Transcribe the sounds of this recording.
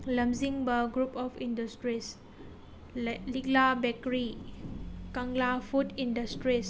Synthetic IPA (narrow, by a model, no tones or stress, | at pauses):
lɐmziŋbaɡɾupɔpʰindɐstɾis | liklabekɾi | kaŋlafʰutindɐstɾis